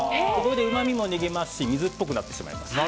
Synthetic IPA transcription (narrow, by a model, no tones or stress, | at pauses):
ko̞koɾod̪eɯ̟mamʲimo̞niɡe̞masɨ̥ɕimʲizɨpːo̞k̬ɯ̟nat̪ːe̞ɕima̰ḭma̰s